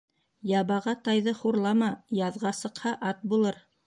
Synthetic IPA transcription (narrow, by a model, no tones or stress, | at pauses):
jɑβɑʁɑt̪ɑjðɤχuɾlˠɑmɑjɑðʁɑsɤ̆qhɑʔɑt̪̚bulˠɤɾ